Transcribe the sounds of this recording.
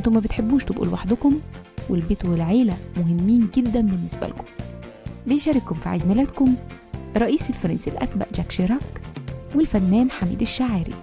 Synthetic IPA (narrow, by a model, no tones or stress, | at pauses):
ʔɪnt̪omːæbet̪ħebːuːʃt̪ebʔṵːlwaħd̪ʊkʊmwelbet̪welʕeːlæmohemːiːnɡed̪ːæmbenːesbæ̰lko̥m | bejʃæɾikːomfiʕḛzmɪlæt̪komɾˤːɑʔiːselfɑɾˤɑnsilʔæ̰smæ̰ʔd͡ʒækʃeɾˤɑːkwelfænːæːnħamḭːd̪eʃːaʕɾḭ